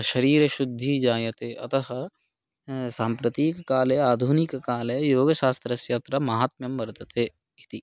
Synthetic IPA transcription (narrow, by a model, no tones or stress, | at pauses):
ʃɐɾiːɾɐʃud̪ʱːid͡ʒaːjɐt̪eʔɐ̰t̪ɐɦɐ̆ | saːmpɾɐt̪iːkːaːleaːd̪ʱunikːaːlejoːɡʃaːst̪ɾɐsjaːt̪ɾɐmɐɦaːt̪̚mjɐmʋɐɾt̪ɐt̪eː | it̪i